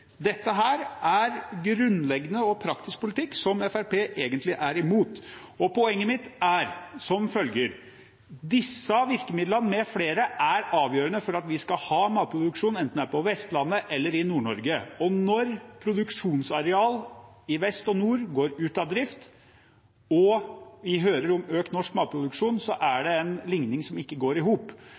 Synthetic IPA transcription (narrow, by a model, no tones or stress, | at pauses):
d̪ɛt̪ːəɦæːɾæɾɡɾʉnlɛɡnəɔpʰɾɑksɪskpʊlɪt̪ʰɪkːsɔmɛfæɾpeːʔeːɡənt̪lɪʔæɾɪmuːt̪ | ɔpɔɛŋːəmɪt̪ːæɾsɔmfœlɡəɾ | d̪ɪsːəʋɪɾkəmɪd̪lənmɛfleːɾəʔæɾɑːʋjøːɾənəfɔɾɑt̪ʋɪskɑhɑːmɑːlt̪̚pʰɾʊd̪ʉkʂuːnɛnt̪n̩æːpʰɔʋɛst̪lɑnːəʔɛlːəɾɪnuːɳɔɾɡəɔnɔɾpʰɾʊd̪ʉkʂuːnsɑɾɛɑːl | ɪʋɛst̪ɔnuːɾɡoːɾʉːt̪ɑʋd̪ɾɪft̪ | ɔʋɪɦøːɾəɾɔmøːkt̪nɔʂkmɑːt̪̚pʰɾʊd̪ʉkʂuːnsɔʔæɖɛɛnlɪŋnɪŋsɔmɪkːəɡoːɾɪɦuːp